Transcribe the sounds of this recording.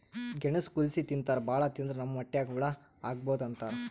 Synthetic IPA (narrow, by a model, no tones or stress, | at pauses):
ɡeɳɐskulsit̪int̪aːɾbaːɭɐt̪ind̪ɾɐnɐmːɐmɐʈːɛjaːɡʋɛɭɐ | aːɡ̚boːd̪ɐnt̪aːɾ